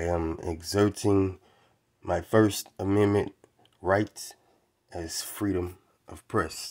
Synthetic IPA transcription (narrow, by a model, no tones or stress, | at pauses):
ɪɨ̃mɪ̰ɡzɜ˞ɾɪ̃ŋ | maɪfɜ˞stəmɛ̃nmɨ̃n | ɹaɪt | ɨz̥fɹiɾɨ̃m | ʔʌv̥pʰɹ̥ɛs